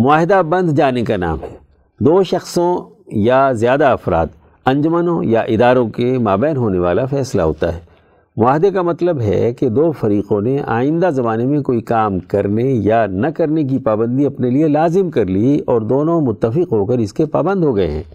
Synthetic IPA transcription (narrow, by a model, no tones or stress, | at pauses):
mʊaːɦɪd̪abɐ̃nd̪d͡ʒaːnekana̰ːmɦɛː | d̪oːʃɐxsõ | jazjaːd̪aɐfɾa̰ːt̪ | ɐ̃ɲd͡ʒʊmənõjaʔɪd̪aːɾõkemaːbɛːnɦoːneʋaːlafɛːsla̰ɦo̰ːt̪a̰ɦɛː | mʊaːɦɪd̪ekamɐt̪ləbɦɛ̰ked̪oːfɐɾiːqõneʔa̰ːɪ̃nd̪azɐmaːnemẽkoːikaːmkɐɾnejanɐkɐɾnek̬ipaːbə̃nd̪iɐpnelielaːzɪmkɐɾliɔːɾd̪oːnõmʊt̪ːəfɪqɦoːkɐɾɪskepaːbə̃nd̪ɦoɡɐḛɦɛ̰̃ː